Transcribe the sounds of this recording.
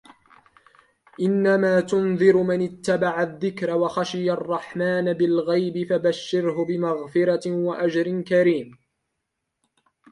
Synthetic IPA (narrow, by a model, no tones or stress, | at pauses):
ʔɪnːamaːt̪ʊnðɨɾmanɪt̪ːabaʕaðːɪkɾawaxaʃɪjarˤːɑħmaːnabɪlɣajbɪfabaʃːɪɾhʊbɪmaɣfɪɾɑwaʔad͡ʒɾɪnkaɾiːm